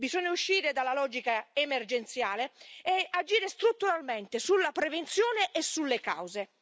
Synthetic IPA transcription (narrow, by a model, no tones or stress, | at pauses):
bizɔɲːauʃːiːɾɪd̪alalɔːd͡ʒikaemerd͡ʒent̪sjaːleɛad͡ʒiːɾest̪ɾut̪ːuɾalmɛnt̪ɪsulːapɾevent̪sjoːneʔɛsːulːeka̰wze